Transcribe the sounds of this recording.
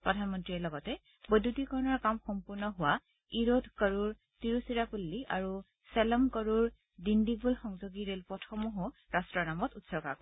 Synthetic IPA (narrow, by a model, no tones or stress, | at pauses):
pɹɔdʱanmɔntɹiɛlɔɡɔtɛ | bɔdutikɔɹɔnɔɹkamxɔmpuɹnɔɦʊwa | iɹodkəɹuɹ | tiɹusiɹapulːiʔaɹu | sɛlɔmkɔɹuɹ | dindibulxɔŋzoɡiɹelpɹɔtʰɔmɔɦɔɹastɹɔɹnamɔtutsɔkak